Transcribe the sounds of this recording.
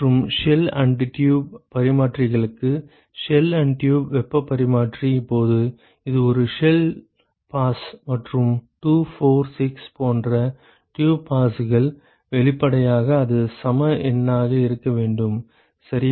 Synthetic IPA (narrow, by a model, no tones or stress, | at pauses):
rɯmʂɛlɐɳɖʈjuːbpɐɾɪmaːʈrɪɣɐɭɯkːɯ | ʂɛlɐɳɖʈjuːbʋɛpːɐpːɐɾɪmaːʈriɪpːoːðɯ | ɪðɯɔɾɯʂɛl | paːsmɐʈrɯmʈuːfoːɾsɪkspoːndrɐ | ʈjuːbpaːsɯɣɐɭ | ʋɛɭɪpːɐɽɐjaːɣɐːðɯsɐmɐʔɛnːaːɣɐɪɾɯkːɐʋeːɳɖɯm | sɐɾɪ